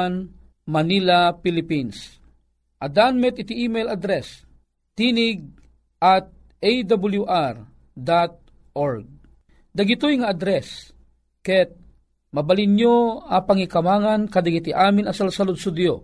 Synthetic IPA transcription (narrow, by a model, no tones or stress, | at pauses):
n | mɐnilapɪlɪpins | ʔɐd̪anmɛt̪ɪt̪iʔimɛjlad̪ɾɛs | t̪inɪɡ̚ | ʔat̪̚ | ejd̪abljuʔaɾ | d̪at̪̚ | ʔoɾɡ̚ | d̪ɐɡit̪ojŋaːd̪ɾɛs | kɛt̪̚ | mɐbalɪnjoapaŋikɐmaːŋankɐd̪aɡit̪ɪʔaːmɪnɐsalsalʊd̪̚sʊd̪jo